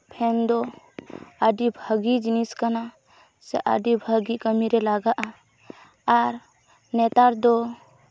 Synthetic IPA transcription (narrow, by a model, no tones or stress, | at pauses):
pʰɛnd̪ɔ | əɖibʱəɡid͡ʒiniskana | sɛʔa̰ɖibʱəɡikəmiɾɛlaɡaʔaː | ɾ | nɛt̪aɾd̪ɔ